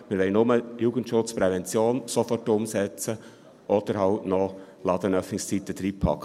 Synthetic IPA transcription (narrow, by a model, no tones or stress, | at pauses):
mɪɾʋɛɪnʊməjuːɡ̥əntʃʊt͡spɾɛvɛnt͡sjoːnsɔfɔrtʊmsɛt͡sə | ʔɔd̥̪əɾhɑʊtnɔ | lɑd̥̪ənœfnɪkst͡sit̪ːəd̥̪ɾiːpʰɑ̰kː